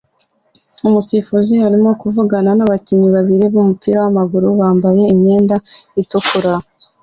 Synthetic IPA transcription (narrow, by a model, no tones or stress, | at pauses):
umusifuzihaɾimo̞kuvuɡananaβaciɲiβaβiɾiβumupʰiɾawamaɡuɾuβaːmbaje̞imɲe̞ːndaitukuɾa